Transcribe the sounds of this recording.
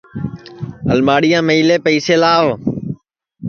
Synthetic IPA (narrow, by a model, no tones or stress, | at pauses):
əlmaːɽɪjãːməiːleːpəiːseːlaːʋ